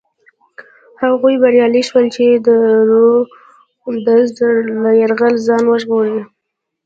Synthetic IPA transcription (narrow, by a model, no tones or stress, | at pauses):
haɣujbaɾjɑliʃwəlt͡ʃed̪əɾo | md̪azd̪əlajaɾɣəlzɑnwəʒɣoɾə